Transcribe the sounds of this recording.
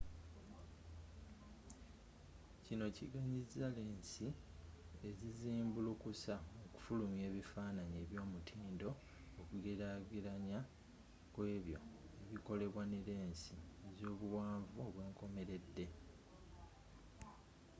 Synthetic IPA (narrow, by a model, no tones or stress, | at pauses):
cino̞ciɡaɲizale̞ːnsi | e̞ziziːmbulukusaoku̥fulumje̞ːβifaːnaɲe̞ːβjo̞ːmutʰiːndo̞ː | kuɡe̞ɾaɡiɾaɲa | kwe̞ːβjo̞e̞βiko̞le̞βwaneɾe̞ːnsiezo̞ːβuwaːɱvuːβwe̞ːŋko̞me̞ɾe̞dːe̞